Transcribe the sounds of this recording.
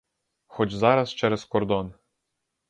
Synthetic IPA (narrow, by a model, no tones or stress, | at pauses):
xɔt͡ʃzɑɾɐst͡ʃɛɾɛskɔɾd̪ɔn